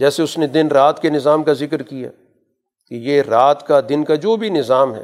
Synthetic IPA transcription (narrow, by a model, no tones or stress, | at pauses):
d͡ʒɛːseʊsned̪ɪnɾaːt̪kenɪzaːmkazɪkɾkija̰ː | kejeɾaːt̪kad̪ɪnkad͡ʒoːbʱinɪzaːmɦɛ̰ː